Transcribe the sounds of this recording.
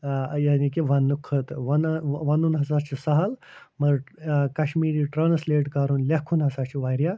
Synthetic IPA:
jaːnikiʋɐnːukʰət̪ʋɐnʋɐnuːnɦɐsaːɾt͡ɕisɐɦəl | mɐɾkɐɕmiːɾiʈɾaːnsleːʈkaːɾuːnlʲakʰuːnɦɐsaɾt͡ɕiʋajɾja

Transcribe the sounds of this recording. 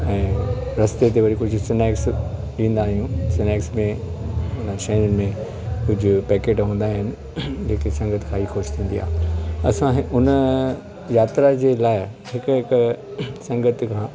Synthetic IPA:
ɛ̃ːɾɐst̪et̪̬eʋɐɾikʊd͡ʑʱʊsɪneːks | ɗĩːn̆d̪aːɦijũsɪneːksmẽ | ʊnəʃɐɦɾənɪ̆mẽ | kʊd͡ʑʱʊpɛːkeːʈɦũːn̆d̪aːɦɪnɪ̆ | d͡ʑeːkesɐ̃ŋɡət̪ʰkʰãːixoːʃt̪ʰĩːn̆d̪ia̰ːɦɐsãɦɪʊnə | jaːt̪ɾad͡ʑeːlaːɪ | ɦɪkɦɪksɐ̃ŋɡət̪ʰkʰãː

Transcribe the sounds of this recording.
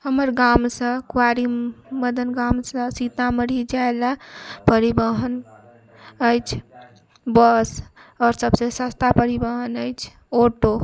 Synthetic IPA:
həməɾɡamsə̃kwaɾiməd̪ʱənɡamsə̃sit̪aməɽ̤id͡ʒaelapəɾibəɦən | əjt͡ʃʰ | bəsɔːɾsəbsesəst̪ʰapəɾibəɦənəjt͡ʃʰ | oʈo

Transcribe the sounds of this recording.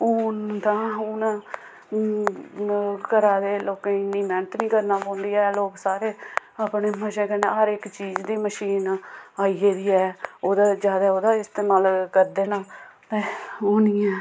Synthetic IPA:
oːnd̪ãːʊna | kəɾaːd̪eːloːkẽɪnːiːmɛːnət̪nĩːkəɾnaːpɔ̃ːnd̪ijaːloːɡsaːɾeː | aːpneːməʃẽːkɛ̃ːnḛːɦəɾɪkt͡ʃiːd͡ʒd̪iːməʃiːnaːiːeːd̪iːɛːoːd̪aːd͡ʒjaːd̪aːoːd̪aːɪst̪eːnaːlkəɾd̪eːnaːt̪ẽːoːniːɛː

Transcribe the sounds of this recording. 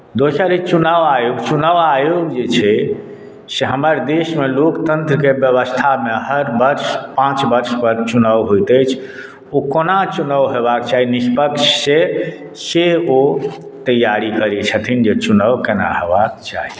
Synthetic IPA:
d̪osʰaɾit͡ʃunəʋajoɡt͡ʃunəʋajoɡd͡ʒet͡ʃʰɛ | seɦəməɾd̪esmelokt̪ənt̪ɾəkebjəβəst̪ʰameɦəɾbəɾʃpãt͡ʃbəɾʃpəɾt͡ʃunəʋɦojt̪əjt͡ʃʰ | okonat͡ʃunəʋɦebakt͡ʃaɦinispəkʃse | seo | t̪əjaɾikəɾɛt͡ʃʰət̪ʰind͡ʒet͡ʃunəʋkena̰ɦebak̚t͡ʃa̰ɦi

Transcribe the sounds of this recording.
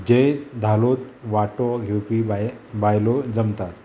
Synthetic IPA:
d͡ʑejd̪ʱalot̪̚ʋaʈɔɡʱewpibbajlɔd͡zəmt̪at̪

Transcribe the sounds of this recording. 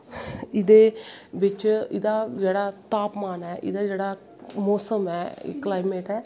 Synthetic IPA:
ɪd̪eːʋɪt͡ʃɪd̪aːd͡ʒeːɽaːt̪aːpmaːnɦɛːʔɪ̰d̪aːd͡ʒeːɽaː | moːsəmɦɛ̰ːklaːimeːʈɛː

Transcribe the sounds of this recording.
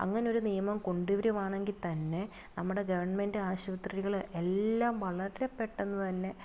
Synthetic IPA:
ɐ̰ŋːɐneoɾunijɐmɐmko̞ɳɖuʋɐɾumaːɳeŋɡilt̪ɐnːe̞ | nɐmːuɽe̞ɡɐʋɐɳmendɨaːɕʋɐt̪rɾiɣɐɭelːaːmʋɐɭɐɾɾepːe̞ʈːenːut̪ɐnːe̞

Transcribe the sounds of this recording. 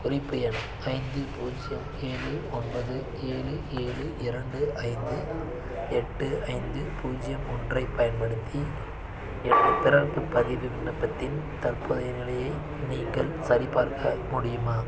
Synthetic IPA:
kʊrɪpːɐjɐn | ɐɪnd̪ɯpuːd͡ʒɪjɐm | eːɻɯɔnbɐðɯ | eːɻɯʔeːɻɯʔɪɾɐɳɖɯʔɐɪnd̪ɯ | ɛʈːɯɐɪnd̪ɯpuːd͡ʒɪjɐmɔndrɐɪpːɐjɐnpɐɽɯt̪ʰːi | ɛnːɐp̪ɪɾɐrpːɯpːɐðɪʋɯʋɪɳːɐpːɐt̪ːɪnt̪ɐrpɯðɐɪɾɣɐɭɐjɐɪ | niːŋɡɐɭsɐɾɪpaːɾkɐmʊɽɪjɯmaː

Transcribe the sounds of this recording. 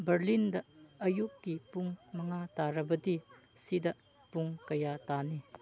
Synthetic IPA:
bɐɾlindɐɐjukːipuŋmɐŋataɾɐbɐdi | sidɐ | puŋkɐjatani

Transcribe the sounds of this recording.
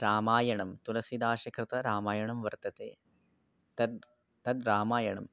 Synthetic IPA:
ɾaːmaːjɐɳɐmt̪ulɐsid̪aːʃɐkɾɪt̪ɐɾaːmaːjɐɳɐmʋɐɾt̪ɐt̪eː | t̪ɐd̪ | t̪ɐd̪ɾaːmaːjɐɳɐm

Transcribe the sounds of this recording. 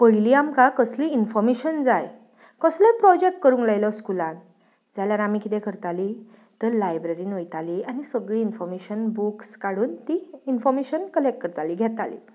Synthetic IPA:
pəɭiliamkakəsliinfɔɾmeɕənd͡zaj | kəslepɾɔd͡ʑek̚ʈ̚kəɾũŋklajlɔskulãn | d͡zalaɾamikid̪ekʰəɾt̪ali | t̪əɾlajbɾeɾiːnojt̪alianisəɡɭiːnfɔɾmeɕənbukskaɽuːnt̪iinfɔɾmeɕənkəlekʈ̚kəɾt̪aliɡʱɛt̪alḭ

